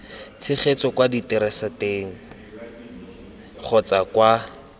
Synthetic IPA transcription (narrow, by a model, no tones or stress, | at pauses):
t͡sʰɪχet͡sɔkwaditɛɾɛsateːŋ̩ | χʰɔt͡sakwa